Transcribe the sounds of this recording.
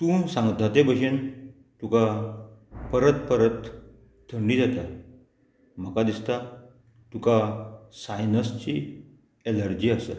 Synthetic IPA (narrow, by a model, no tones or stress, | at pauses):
t̪uːsãŋɡt̪at̪ebəɕen | t̪uka | pəɾət̪pəɾət̪ | t̪ʰəɳɖid͡zat̪a | m̤əkad̪ist̪a | t̪ukasajnəst͡ɕi | eləɾd͡ʑiːasə̰